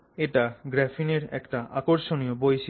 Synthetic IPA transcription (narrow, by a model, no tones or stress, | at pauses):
eʈaɡɾɛfineɾɛ̰kʈaʔakoɾʃonijobojʃi